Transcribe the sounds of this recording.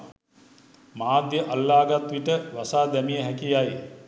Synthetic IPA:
maːd̪jəʔalːaːɡat̪ʋiʈəʋasaːd̪ɛmijəɦækijaje

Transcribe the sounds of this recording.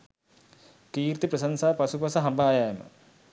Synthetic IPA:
kiːɾt̪ipɾɐsɐnsaːpɐsupɐsɐɦɐmbaːjaːjɐmɐ̰

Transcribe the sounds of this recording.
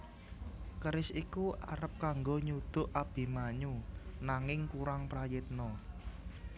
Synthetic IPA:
kəɾɪsikuʔaɾəp̚kaŋɡoɲud̪̥ʊ̤ʔab̥i̤maɲunaŋɪŋkuɾaŋpɾajɪt̪̚nɔ

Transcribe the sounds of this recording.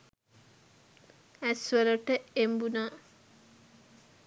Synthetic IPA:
æsʋəɾəʈəembunaː

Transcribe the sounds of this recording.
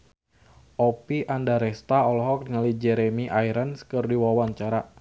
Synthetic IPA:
ʔɔpiʔandaɾɛst̪aɔlɔɦɔk̚dŋalid͡ʒɛɾɛmiʔajɾənskɨrdiwawaɲt͡ʃaɾa

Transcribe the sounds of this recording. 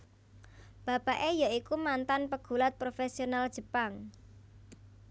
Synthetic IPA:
b̥a̤paʔejaikumant̪anpəɡ̥ṳlat̪̚pɾofesionald̥ʒ̥ə̤paŋ

